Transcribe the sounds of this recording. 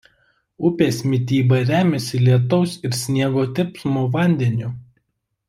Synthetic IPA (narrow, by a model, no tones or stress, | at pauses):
ʊpʲeːsmʲɪt̪ʲiːbɐɾʲæːmʲɛsʲɪlʲiɛt̪̬ɔʊsɪɾsʲnʲiɛɡoːt̪ʲɪpsmuʋɐnʲd̪ʲɛnʲʊ